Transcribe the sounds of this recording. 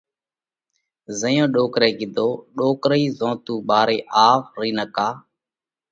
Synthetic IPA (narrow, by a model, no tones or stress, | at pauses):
zəjõːɗoːkɾeːɡɪd̪ʱoːɗoːkɾiːzõːt̪uːɓaːɾeːʔaːʋɾiːnəkaː